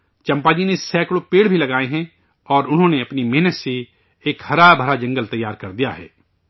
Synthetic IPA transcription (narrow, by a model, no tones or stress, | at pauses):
t͡ʃɐ̃mpaːd͡ʒinesɛːkɽopeːɽbʱilɐɡaːeɦɛ̃ | ɔːɾʊnɦõneɐpnimɛɦnət̪se | eːkhɐɾabʱɐɾad͡ʒɐ̃ŋɡəlt̪ɐjːaːɾkɐɾd̪ija̰ɦɛ̰ː